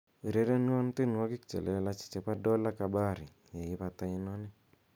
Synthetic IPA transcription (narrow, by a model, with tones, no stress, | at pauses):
i˨ɾe˨˦ɾɛ˦n˦a˦n˦tɪ˦n˨wa˦kɪ˦kt͡ʃɛ̰˨lʔɛ˦la˦t͡ʃi̥˨t͡ʃɛ˨pa˦dɔ˦la˦ka˨ba˦˨ɾi˨ja˨ɪ˦βa˨ta˦ɪ˦nɔ˦nɛ˦